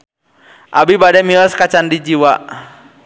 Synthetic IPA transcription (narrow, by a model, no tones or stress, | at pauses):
ʔabibadɛmilɔskat͡ʃandid͡ʒiwa